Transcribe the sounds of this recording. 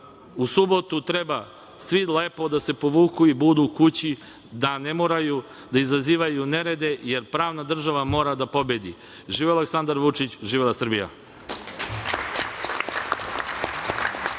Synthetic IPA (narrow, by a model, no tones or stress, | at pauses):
usubo̞t̪ut̪ɾeba | sʋileːpo̞d̪ase̞po̞ʋuːkuibud̪ukut͡ɕi | d̪ane̞moːɾaju | d̪aizaziːʋajune̞ɾe̞d̪e̞je̞ɾpɾaːʋnad̪r̩ʒaʋamo̞ːɾad̪apo̞bed̪ḭ | ʒiːʋealeksand̪aɾʋut͡ʂit͡ɕʒiːʋelasr̩bija̰